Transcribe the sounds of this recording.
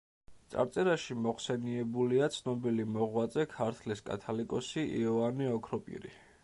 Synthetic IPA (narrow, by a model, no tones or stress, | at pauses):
t̪sʼa̰ɾt̪sʼɛɾaʃimɔχsɛniɛbuliat̪sʰnɔbilimɔʁwat̪zʼɛkʰaɾt̪ʰliskʼa̰t̪ʰalikʼɔsiʔḭɔvaniɔkʰɾɔpʼḭɾḭ